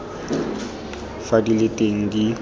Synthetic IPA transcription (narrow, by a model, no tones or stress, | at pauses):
fadilɪtʼeŋ̩di